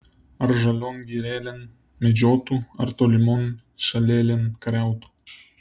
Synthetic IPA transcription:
arʒalʲonɡiɾelʲen | med͡ʑot̪ua̰rt̪olʲimon | ʃalʲelʲenkaɾʲɑwt̪u̥

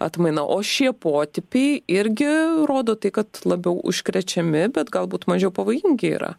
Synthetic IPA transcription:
ɐ̰t̪mɐɪnɐʔoːʃʲiɛpoːt̪ʲɪpʲɛɪɪɾʲɡʲɪroːd̪oːt̪ɐɪkɐt̪lˠɐbʲɛʊʔʊ̰ʃʲkɾʲɛt͡ʃʲɛmʲɪbʲɛt̪ɡɐlˠbuːt̪mɐʒʲɛʊpɐʋoːjɪŋʲɡʲɪḭːɾɐ̰

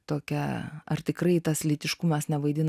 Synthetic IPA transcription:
t̪oːkʲɛɐrt̪ʲɪkɾɐɪt̪ɐslʲɪt̪ʲɪʃkʊmɐsnʲɛʋɐɪd̪ʲɪn

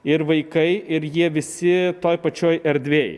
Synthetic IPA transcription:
ɪɾʋɐɪkɐɪɪɾjiɛʋʲɪsʲɪt̪oːjpɐt͡ʃʲoːjɛɾʲd̪ʲʋʲeːj

